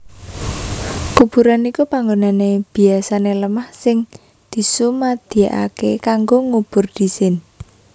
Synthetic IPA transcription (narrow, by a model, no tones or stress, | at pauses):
kub̥uɾanikupaŋɡonaneb̥i̤asaneləmahsɪŋ | d̪̥i̤sumad̪̥i̤aʔa̰kekaŋɡoŋub̥ʊrd̪̥isɪn